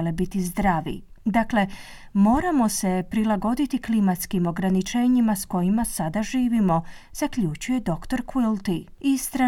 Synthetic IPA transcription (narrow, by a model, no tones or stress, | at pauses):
lebit̪izd̪ɾaʋḭ | d̪akle̞ | mo̞ːɾamo̞se̞pɾilˠaɡo̞d̪it̪iklimat̪skimo̞ɡɾanit͡ʃe̞ːɲimasko̞jimasad̪aʒiːʋimo̞z̥akʎut͡ʃuje̞d̪o̞kt̪o̞ɾkwilˠt̪i | ist̪ɾa